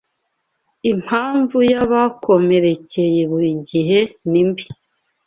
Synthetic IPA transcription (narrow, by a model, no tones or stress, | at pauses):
im̥haːɱvujaβakʰo̞me̞ɾe̞ce̞jeβuɾiɟiɦe̞nimbi